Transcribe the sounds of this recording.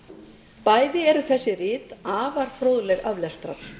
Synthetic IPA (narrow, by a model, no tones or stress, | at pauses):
paːjðɪɛɾʏθɛsːɪrɪːt̪aːvaɾ̥fɾoːðlɛɣavlɛst̪ɾa̰ɾ̥